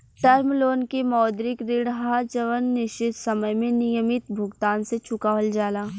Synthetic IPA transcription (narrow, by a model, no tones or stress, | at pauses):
ʈɐɾmloːnkemɔːd̪ɾɪkɾɪɽɦaːd͡ʒɐʋənːɪʃt͡ʃɪt̪sɐməjmẽnɪjəmɪt̪bʱʊɡt̪aːnset͡ʃʊkaːʋəld͡ʒaːlaː